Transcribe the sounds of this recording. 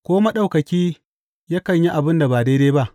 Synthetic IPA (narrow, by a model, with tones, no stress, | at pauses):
kʷoː˦ma˦ɗa˦wkɐ˨kʲiː˦ | jaː˦kɐ˨ɲji˦ʔa˨bɪ˦nda˨baː˨deː˦deː˦ba˦ʔ